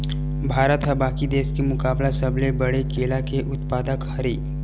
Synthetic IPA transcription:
bʱaːɾət̪ɦəbaːkid̪eːskemʊkaːblasəblebɐɽekeːlakeʔʊt̪paːd̪əkhɐɾiː

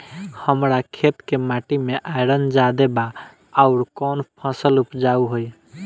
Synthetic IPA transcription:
həmɾakʰet̪kemaʈimeʔajɾənd͡ʒad̪ebaː | ʊɾkɔnpʰə̃səlupd͡ʒauɦoj

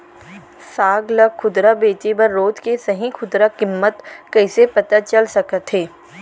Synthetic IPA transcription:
saːɡləɡxʰʊd̪ɾabeːt͡ʃibɐɾːoːd̪kesɐɦĩkʰʊd̪ɾakɪmːət̪kɐɪsepɐt̪at͡ʃɐlsɐkət̪ɦeː

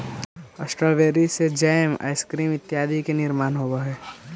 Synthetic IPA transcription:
əsʈɾəlʋeːɾised͡ʒaːjma̰ːɪskɾiːmɪt̪ːjaːd̪ikenɪɾmaːnɦoːbaɦɛː

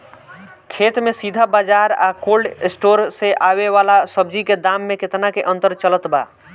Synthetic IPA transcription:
kʰeːt̪mẽsid̪ʱabaːd͡ʒaːɾa̰ːkoːlɖɪsʈoːɾseʔaːweʋaːlasəb̚d͡ʒiked̪aːmːẽkɪt̪nakeʔə̃nt̪əɾt͡ʃələt̪ba̰ː

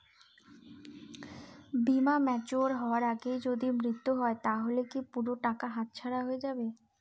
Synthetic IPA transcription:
bimamɛt͡ɕuaɾɦɔoaɾaɡejd͡ʑod̪imɾit̪ːuɦɔet̪aɦolekipuɾoʈakaɦat̪̚t͡ɕʰaɽaɦoed͡ʑabe

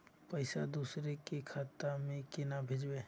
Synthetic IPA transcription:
pəɪsad̪uːsɾekekʰat̪amẽkɪnabʱed͡ʒbe

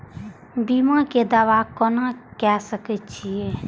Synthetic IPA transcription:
bimãked̪awakɔnakɛsəkət͡ʃʰie

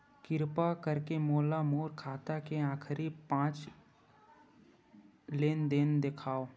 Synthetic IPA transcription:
kɪɾpakəɾkemoːlamoːɾkʰaːt̪akeãːkʰɾipãːt͡ʃ | leːnd̪end̪ekʰaːoː

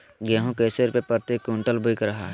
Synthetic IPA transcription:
ɡaːɦõkeːseɾpepəɾt̪ekːuɳʈəlbʊɪkɾɐɦaɦ

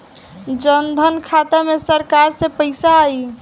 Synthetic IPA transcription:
d͡ʒənd̪ʱənkʰat̪amesəɾkaɾsẽpəɪsaːi

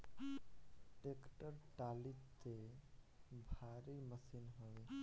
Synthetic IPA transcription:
ʈekʈəɾʈalit̪e | bʱaɾiməsinɦoi

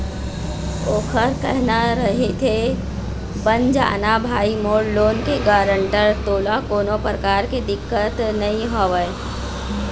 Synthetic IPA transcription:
oːkʰəɾkɛɦnaɾɐɦet̪ʰe | bənd͡ʒa̰ːnabʱaːimoːɾloːnkeɡaːɾəɳʈəɾt̪oːlakoːnopɾəkaːɾked̪ɪkːət̪nɐĩɦoːʋə

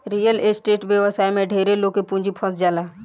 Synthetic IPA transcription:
ɾiːjəlesʈeːʈʋjəʋəsaːjmẽɖʱeːɾeloːkepũːɲd͡ʒipʰɔ̃sd͡ʒaːlaː

